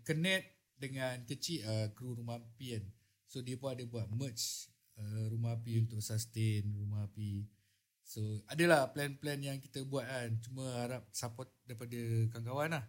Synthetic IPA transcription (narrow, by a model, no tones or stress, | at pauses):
kənɛt̪̚ | dəŋankət͡ʃiʔəkɾuɾumaapian | sodiəpunadəbuat̪̚mət͡ʃ | əɾumaɦapiunt̪ʊk̚sast̪enrumaɦapi | soadəlahplɛnplɛnjaŋki̥t̪əbuat̪̚lant͡ʃumə̃haɾap̚sapɔt̪̚daipadəkaŋɡawanlah